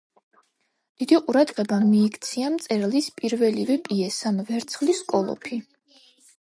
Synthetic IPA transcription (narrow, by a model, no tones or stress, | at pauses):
d̪̥id̪iqʼuɾad̪ʁɛbamiːkʰt̪sʰiamt̪sʼɛɾlispʼiɾvɛlivɛpʼiɛsamvɛɾt̪sʰχliskʼɔlˠɔ̰pʰi